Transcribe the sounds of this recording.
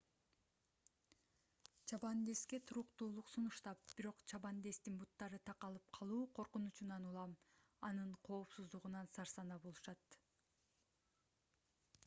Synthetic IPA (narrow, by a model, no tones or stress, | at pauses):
t͡ʃʰɑbɑnd̪e̞ske̞t̪ʰuɾuqt̪uːlˠuqsunuʃt̪ɑp̚b̥iɾo̞qt͡ʃʰɑbɑnd̪e̞st̪inbut̪ːɑɾɯt̪ʰɑqɑlˠɯp̚qʰɑlˠuːqʰo̞ɾqunut͡ʃunɑnulˠɑm | ɑnɯɴqʰo̞ːpsuzd̪uʁunɑnsɑɾsɑnɑbolˠuʃɑt̪